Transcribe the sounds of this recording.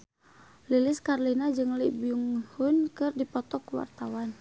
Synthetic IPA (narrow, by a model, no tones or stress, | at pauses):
liliskarlinad͡ʒɨŋlibjuŋhunkɨrdipɔt̪ɔkuwa̰rt̪awan